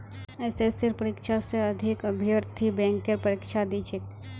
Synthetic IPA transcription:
ɛːsesɪɾpəɾɪkʃaseɐd̪ʱɪkəbʱɪəɾt̪ʰibɛ̃ːŋkeɾpəɾikʃad̪it͡ʃʰek

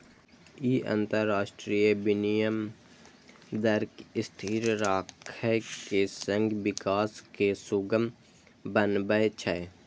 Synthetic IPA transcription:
iɐ̰̃nt̪əɾːaːʃʈɾiːjəbɪnijəm | d̪ɐɾkɪst̪ʰiːɾɾaːkʰəjkesə̃ŋɡʋɪkaːskesuɡəm | bənbəet͡ʃʰəe

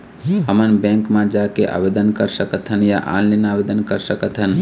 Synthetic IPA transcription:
ɦəmənbɛ̃ŋkmãd͡ʒakeʔa̰ːbed̪ənkəɾsəkət̪ɦənjaʔa̰ːnlinaːbed̪ənkəɾsəkət̪ɦən

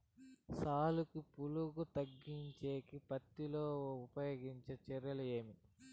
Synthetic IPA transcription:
saːlukupuluɡut̪ɐɡːiɲt͡ʃeːkipɐt̪ːiloːupɐjoːɡiɲt͡ʃet͡ʃɛɾjɐlue̞ːmi

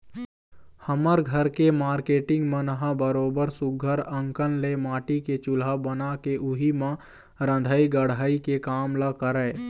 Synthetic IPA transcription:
həməɾɡʱəɾkemaːɾkeːʈɪ̃ŋɡmə̃nəɦãbəɾoːbəɾsʊɡʱəɾə̃ŋkənlemaːʈiket͡ʃʊlabənakeʔʊɦimã | ɾə̃nd̪ʱaːiɡəɽaikekaːmlakəɾəː

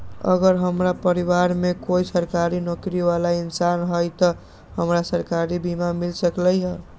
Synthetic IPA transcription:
ə̰ɡəɾɦəmɾapəɾiwaɾmekoisəɾkaɾinokɾiʋalainsanɦəjt̪ə | həmɾasəɾkaɾibimamilsəkləjɦə

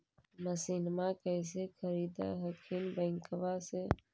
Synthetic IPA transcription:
məsinmakəɪs̬ekʰəɾiːd̪a̰ɦəkʰinbə̃ɪŋkəʋase

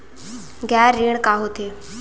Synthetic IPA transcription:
ɡaːɾːiːɳ̃kaːɦot̪ʰeː

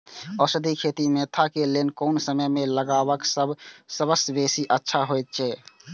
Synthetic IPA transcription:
ɔːsəd̪ʱikʰeːt̪imet̪ʰakelenkoʊnsəməjmẽləɡaːʋəksəbsəbəsbeːsiʔətːʃʰaɦojt̪̚t͡ʃʰɛː

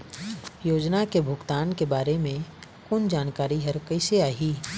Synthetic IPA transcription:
joːd͡ʒnakebʱʊɡt̪aːnkebaːɾemẽ | kʊnd͡ʒaːnkaːɾiɦɐɾkəɪseaːɦiː

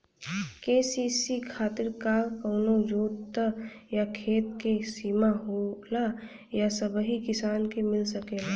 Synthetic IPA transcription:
keːsiːsikʰaːt̪ɪɾkakəːnod͡ʒoːɾt̪əjakʰeːt̪kesiːmaɦoːla | jasəbɦikɪsaːnkemɪlsɐkela

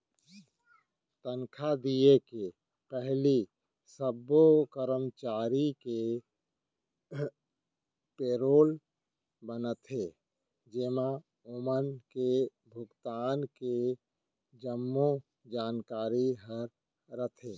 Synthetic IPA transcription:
t̪ənkʰad̪ieke | pɛɦli | səbokəɾəmt͡ʃaːɾike | peːɾoːl | bənət̪ʰɦe | d͡ʒemã | ʊmənke | bʱʊɡt̪aːnke | d͡ʒəmːo | d͡ʒaːnkaːɾiɦəɾ | ɾət̪ʰeː

